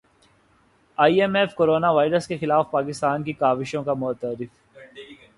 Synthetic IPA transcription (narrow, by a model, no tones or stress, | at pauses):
aːiɛmɛfkoːɾoːnaʋaːɪɾəskexɪlaːfpaːkɪst̪aːnkikaːʋɪʃõkamʊt̪əɾɪf